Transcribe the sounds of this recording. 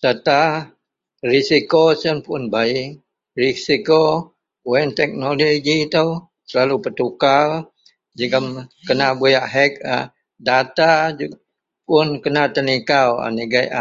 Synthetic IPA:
sət̪a | risikosənpʊnbaɪʔ | risiko | wɛnt̪ɛk̚noloɡit̪əw | səlalupət̪ukal | d͡ʒəɡəmkənabujaʔɦɛk̚a | dat̪ad͡ʒ | pʊnkənat̪ənikawa̰niɡajʔ

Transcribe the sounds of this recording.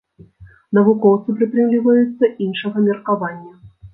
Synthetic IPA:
nɐvʊkɔwt̪sɨpɾʲɨp̪ɾʲɨmlʲivɐjut̪sːɐʔinʂɨɣɐmʲɪrkavanʲːɐ

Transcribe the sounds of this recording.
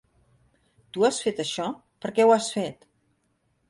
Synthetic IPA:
t̪uasfet̪əʃɔ | pəɾkɛwasfet̪

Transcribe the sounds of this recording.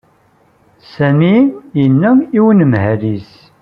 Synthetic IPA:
sæmijənːæiwənəmhælis

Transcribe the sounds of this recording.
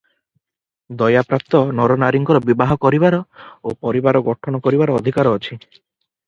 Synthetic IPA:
d̪ɔjapɾap̚t̪ɔnɔɾɔnaɾiŋkɔɾɔbibaɦɔkɔɾibaɾɔopɔɾibaɾɔɡɔʈʰɔnɔkɔɾibaɾɔːd̪ʱikaɾɔːt͡ʃʰi

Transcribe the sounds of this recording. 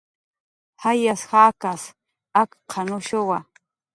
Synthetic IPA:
hajashaːkas | akqʰɑnʊʃowa

